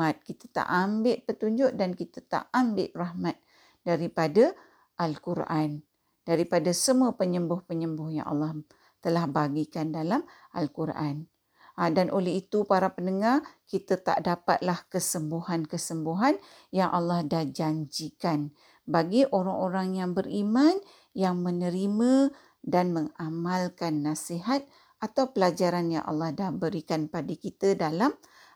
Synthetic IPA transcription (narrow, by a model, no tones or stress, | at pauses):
at̪̚kit̪ḁt̪a̰ʔambɪʔpət̪uɲd͡ʒʊʔdankit̪at̪a̰ʔambɪʔrahmat̪̚ | daɾipada | ʔalkuɾʔan | d̥aɾipadasəmuəpəɲəmbʊhpəɲəmbʊhja̰ŋʔɑ̰lːɑh | t̪əlahbaɡikandalam | ʔalkuɾʔan | danʔolɛɦit̪upaɾapənəŋarkit̪at̪a̰ʔdapa̰t̪̚lahkəsəmbuhankəsəmbuɦan | jaŋʔalːɑhdahd͡ʒaɲd͡ʒikan | baɡiʔoɾaŋoɾaŋjaŋbəɾiman | jaŋmənəɾimə̃ | danməŋamalkanːasiɦat̪̚ | at̪awpəlad͡ʒaɾanja̰ŋʔɑ̰lːɑhdahbəɾikanpadikit̪ədalam